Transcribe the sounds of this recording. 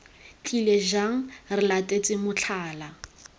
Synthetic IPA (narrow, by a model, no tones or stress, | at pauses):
t͡ɬʼileʒaŋ̩rɪlatʼet͡sʼɪmʊt͡ɬʰaːla